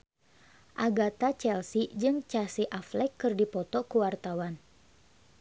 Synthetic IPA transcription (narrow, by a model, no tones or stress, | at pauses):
ʔaɡat̪at͡ʃɛlsid͡ʒɨŋt͡ʃasiʔaflɛkːɨrdipɔt̪ɔkuwart̪awan